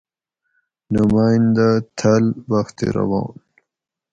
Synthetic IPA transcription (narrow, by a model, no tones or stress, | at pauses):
numaːnd̪at̪ʰalbaxt̪ḛɾɐ̰wɑ̰ːn